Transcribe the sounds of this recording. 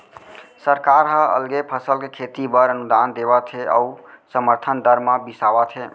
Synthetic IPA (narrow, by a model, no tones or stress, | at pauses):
səɾkaɾɦə̃ə̰lɡepʰəsəlkekʰet̪ibəɾənud̪and̪eβat̪ʰeʔə̰usəməɾt̪ʰənd̪əɾmabisabat̪ʰe